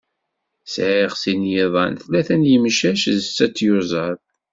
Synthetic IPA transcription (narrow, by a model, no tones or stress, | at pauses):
sʕiʁsinjiðˤɑ̰nθlæθænjəmʃæʃðət͡sːæt͡sːjʊzˤɑð